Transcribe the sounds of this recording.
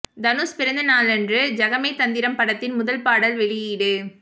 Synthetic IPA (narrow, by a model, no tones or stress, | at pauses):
d̪ɐnuːspɪɾɐnd̪ɯnaːlɛndrɯd͡ʒɐɣɐmɐɪt̪ɐnd̪ɪɾɐmpɐɽɐt̪ːɪnmʊðɐlpaːɽɐlʋɛɭɪjɪɽɯ